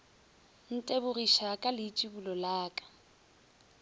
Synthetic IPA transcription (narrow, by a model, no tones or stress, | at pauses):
n̩tʼebʊriʃakʼalɪt͡ʃʼibulɔlaːkʼḁ